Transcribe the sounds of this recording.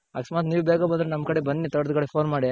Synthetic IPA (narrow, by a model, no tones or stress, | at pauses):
a̰ksmaːt̪niːʋbɛːɡabɐnd̪ɾenɐmːkɐɽebɐnːit̪ɐɽɐd̪kɐɽepʰoːnmaːɽi